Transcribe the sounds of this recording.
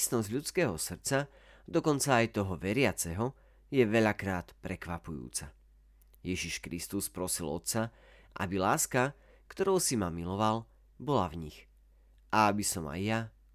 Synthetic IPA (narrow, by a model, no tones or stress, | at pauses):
snɔzʎut͡skɛːɦɔsr̩t͡sa | d̪ɔkɔnt͡saːjt̪ɔɦɔʋɛɾɪat͡sɛɦɔ | jɛʋɛʎakɾaːt̪pɾɛkʋapujṵːt͡sa̰ | jɛʒiʃkɾist̪uspɾɔsilɔ̰t̪sa | ʔa̰bilaːska | kt̪ɔɾɔʊsimamilɔʋal | bɔlavɲix | ʔaabisɔma̰jːa